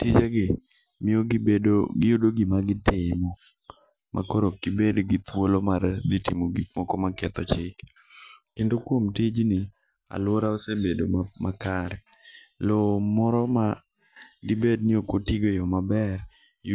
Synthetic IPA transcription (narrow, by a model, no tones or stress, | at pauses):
tid͡ʒaɡɪ | mɪoɡdɡɪjudoɡimaɡɪtɪmɔ | mʔa̰koɾokɪbedɡɪt̪wolomard̪ɪtɪmoɡikmɔkɔmakɛt̪ɔt͡ʃɪk | kendokwomtid͡ʒnɪ | a̰lwoɾaosebedomakaɾɛ | lomɔɾɔma | dɪbednɪokotiɡojɔmabɛɾ | j